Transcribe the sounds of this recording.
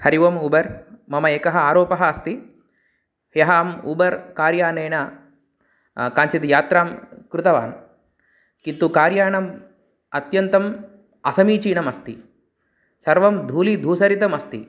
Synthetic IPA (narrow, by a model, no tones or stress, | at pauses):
hɐɾiʋɐmubɐɾmɐmɐeːkɐɦɐaːɾoːpɐɦɐ̆ːst̪i | jɐɦɐːmṵbɐɾkaːɾjaːneːnɐ | kaːnt͡ʃit̪ijaːt̪ɾaːmkɾut̪ɐʋa̰ːn | kint̪ukaːɾjaːɳɐm | ɐt̪jɐnt̪ɐm | ɐsɐmiːt͡ʃiːnɐmɐst̪i | sɐɾʋɐmd̪ʱuːlid̪ʱuːsɐɾit̪ɐmɐst̪ḭ